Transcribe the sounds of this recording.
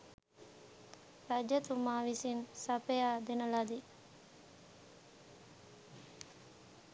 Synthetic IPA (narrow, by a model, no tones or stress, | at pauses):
ɾad͡ʒət̪umaːʋisinsɐpejaːd̪enəlad̪i